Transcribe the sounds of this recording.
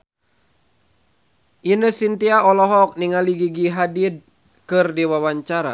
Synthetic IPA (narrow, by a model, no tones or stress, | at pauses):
ʔinəsint̪iaɔlɔɦɔk̚niŋaliɡiɡiɦadid̚ | kɨrdiwawaɲt͡ʃaɾa̰